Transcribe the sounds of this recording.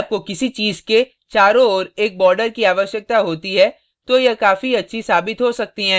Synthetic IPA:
b̚kokɪsit͡ʃiːzke | t͡ʃaːɾõɔːɾeːk̚bɔːɾɖəɾkiaːʋəʃjək̚t̪aɦoːt̪iɦɛ | t̪ojɐkaːfiɐtːʃʰisaːbɪt̪ɦosɐk̚t̪iɦɛ̃ː

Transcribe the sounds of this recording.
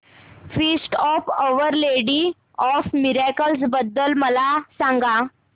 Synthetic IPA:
fisʈɔfəʋəɾleɽi | ɔfmiɾakəls̬bəd̪ːəlməlasãŋɡa

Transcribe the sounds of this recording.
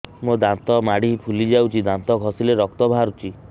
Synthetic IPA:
mod̪ãnt̪ɔmaɽipʰulid͡ʒawt͡ʃʰid̪ant̪ɔkɔsileɾɔk̚t̪ɔbʱaɾut͡ʃʰi

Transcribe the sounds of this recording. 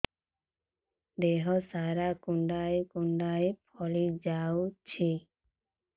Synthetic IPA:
d̪eɦɔsaɾakuɳɖajkuɳɖaepʰɔlid͡ʒawt͡ʃʰi

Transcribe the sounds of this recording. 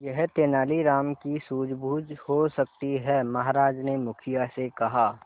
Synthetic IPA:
jɛɦt̪eːnaːliɾaːmkisuːd͡ʒbʱuːd͡ʒhosɐk̚t̪iɦɛmɐɦɾaːd͡ʒnemʊkʰijasekɐɦaː

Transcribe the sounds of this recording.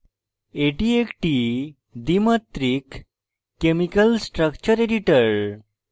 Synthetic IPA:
eʈiekʈi | d̪imət̪ɾikː | emikəlsʈɾəkt͡ɕəɾeɖiʈəɾ

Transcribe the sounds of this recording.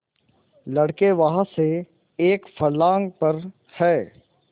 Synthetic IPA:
lɐɽkeʋɐɦãse | eːkfɐɾlaːŋɡ̚pɐɾ | hɛː

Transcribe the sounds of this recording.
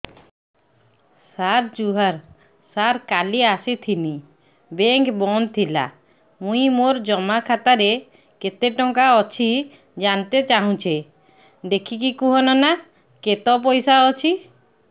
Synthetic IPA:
saɾd͡ʒuɦaɾ | saɾkaliasit̪ʰini | beŋkbɔnt̪ʰila̰ | mũijmoɾd͡ʒɔmakʰat̪aɾe | ket̪eʈɔŋkaɔt͡ʃʰi | d͡ʒant̪et͡ʃaɦũt͡ʃʰe | d̪ekʰikikuɦɔnɔna | ket̪ɔp̬ɔjsaɔt͡ʃʰi

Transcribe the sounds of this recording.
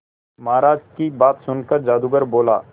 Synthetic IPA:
mɐɦaɾaːd͡ʒkibaːt̪sʊnkəɾd͡ʒaːd̪uɡəɾboːla̰ː

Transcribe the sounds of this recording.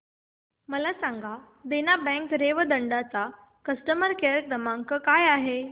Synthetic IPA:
məlasãŋɡʱa | d̪enabɛ̃ŋkɾeʋəd̪əɳɖat͡sa | kəsʈəməɾkeɾkɾəmaŋkəkajaɦe

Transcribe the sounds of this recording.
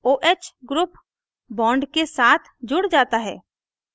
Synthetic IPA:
oːʔet͡ʃɡɾuːp | bɔ̃ːɳɖkesaːt̪ʰd͡ʒʊɽd͡ʒaːt̪aɦɛ̰ː

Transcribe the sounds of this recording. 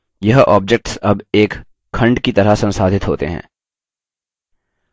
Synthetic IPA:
jɐɦɔːb̚d͡ʒek̚ʈsɐbeːkʰː | ɐ̃ɳɖkit̪ɐɾasɐ̃nsaːd̪ʱɪt̪ɦoːt̪ḛɦɛ̰̃ː

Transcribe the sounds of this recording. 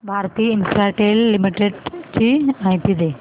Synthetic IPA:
bʱaːɾt̪iːɪnsɾaːʈeːlːɪmiʈeɖt͡ɕiãĩt̪ʰid̪eː

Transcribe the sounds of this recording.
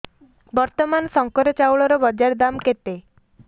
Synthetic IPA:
bɔɾt̪ɔmansɔŋkɔɾɔt͡ʃawɭɔɾɔbɔd͡ʒaɾd̪amket̪e

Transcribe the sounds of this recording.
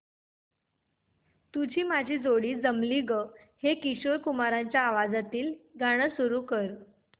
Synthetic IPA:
t̪ud͡ʑiːmad͡ʑʱiːd͡zoɽiːd͡zəmliɡə | hekiɕoɾkumaɾaɲt͡ɕjaːʋad͡zat̪iːlɡaɽ̃əsuɾuːkəɾ

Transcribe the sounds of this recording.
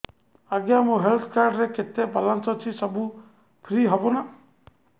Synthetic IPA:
aɡjamoɦelt̪ʰkaɾɖɾeket̪ebalɔnsɔt͡ʃʰisɔbu | pʰɾiɦɔbɔna

